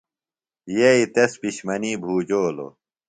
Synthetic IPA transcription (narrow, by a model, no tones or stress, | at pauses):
jeit̪espiɕmɐniːbʱuːd͡ʑoːlo̰